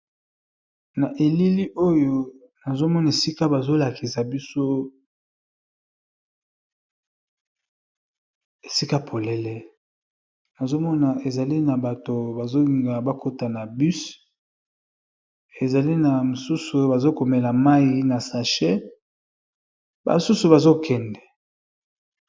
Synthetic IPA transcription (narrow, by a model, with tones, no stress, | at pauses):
na˨ʔe˨li˦li˦ʔo˦jo˦ | na˨zo˦mɔ˦na˨e˨si˦ka˦ba˨zo˦la˨ki˨sa˨bi˦so˦ | e˨si˦ka˦pʰo˨lɛ˨lɛ˦ | na˨zo˦mɔ˦na˨e˨za˨li˦na˨ba˨to˨ba˨zo˦li˨ŋɡa˨ba˦ko˦ta˨na˨by˦s | e˨za˨li˦na˨mo˨su˦su˨˦ba˨zo˦ko˨mɛ˨la˨ma˦ji˨na˨sa˨ʃɛ˦ | ba̰˨su˦su˨ba˨zo˦kɛ˨ndɛ˨